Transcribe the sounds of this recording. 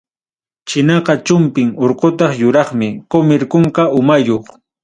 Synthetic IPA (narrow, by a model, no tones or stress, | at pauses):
t͡ʃɪnɑqɑt͡ʃʊmpɪŋoɾqot̪ɑχjʊɾɑχmɪkomɪɾkoɴkɑʔʊmajoχ